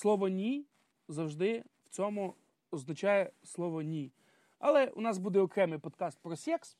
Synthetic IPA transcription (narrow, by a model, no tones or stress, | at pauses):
slˠɔʋɔnʲij | zɐwʒd̪ɪw̥t͡sʲɔmu | ɔznɐt͡ʃɑjɛslˠɔʋɔnʲi | ɐlˠɛṵnɑsbud̪ɛɔkɾɛmɪjpɔt̪kɑst̪̚pɾɔsʲɛks